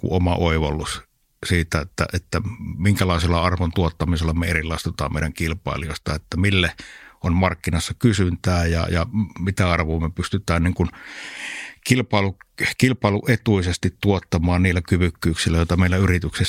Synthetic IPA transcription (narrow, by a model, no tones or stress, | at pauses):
kṵʔʔomɑ̰oˑiʋɑlːˑus | siːt̪æet̪ːæ̰ʔet̪ːæmiŋkælɑˑeselːɑɑrʋont̪uot̪ːɑmiselːɑmeerilːˑɑˑest̪ot̪ɑ̰ːmmḛˑiɾæŋkilpˑɑ̰ˑeliost̪ɑet̪ːæmilːeʔonmɑrkːinɑsːɑkysynt̪æːjɑ̰jɑmit̪æɑrʋoːmepyst̪yt̪ˑæːnniŋkun | kilpɑˑelukilpɑˑeluʔet̪uisest̪it̪t̪uot̪ːɑmˑɑːnniːlːækyʋykːyːksilːæjoet̪ɑmeˑilːæyrit̪ykse